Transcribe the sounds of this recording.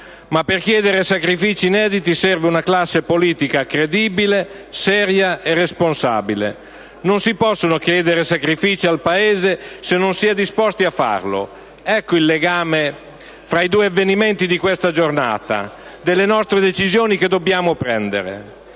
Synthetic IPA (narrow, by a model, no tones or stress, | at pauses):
mapːerkjɛːd̪eɾesakɾifiːt͡ʃiːnɛːd̪it̪isɛrveunaklasːepoliːt̪ikakɾed̪iːbile | sɛːɾjaerːesponsa̰ːbilḛ | nonsipɔsːonokjɛːd̪eɾesakɾifiːt͡ʃialpaeːzesenːonsiːad̪ispɔst̪iafːa̰rlo̰ | ɛkːoilːeɡaːme | fɾaid̪uːeavːenimɛnt̪id̪ikwest̪ad͡ʒorna̰ːt̪a̰ | d̪elːenɔst̪ɾed̪et͡ʃizjoːniked̪ːobjaːmopɾɛnd̪ḛɾḛ